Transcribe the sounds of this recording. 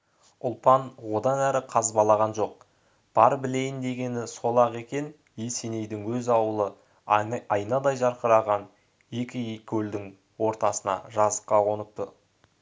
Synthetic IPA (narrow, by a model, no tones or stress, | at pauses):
ʊlˠpɑnwo̞d̪ɑnæɾɪqʰɑzbɑlˠɑʁɑnʒo̞q̚ | b̥ɑɾbɪle̞jɪnd̪e̞ɡʲe̞nɪso̞lˠɑʁe̞kʲe̞n | je̞se̞ne̞jd̪ɪŋwɵzɑwəlˠə | ɑjnɑd̪ɑjʒɑɾqəɾɑʁɑn | e̞kʲɪkʲʰɵld̪ɪŋ | wo̞ɾt̪ɑsənɑ̰ʒɑzə̥qːɑwo̞nəp̚t̪ə